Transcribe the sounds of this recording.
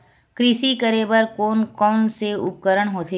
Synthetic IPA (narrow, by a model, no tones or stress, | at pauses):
kɾisikəɾeːbəɾkoːnkɔːnseʊp̚kəɾəɽ̃ɦoːt̪ʰe